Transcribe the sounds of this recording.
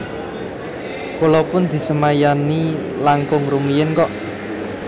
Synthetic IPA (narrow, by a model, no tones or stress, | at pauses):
kolɔpʊnd̪̥i̤səmajani | laŋkʊŋrumijɪnkɔʔ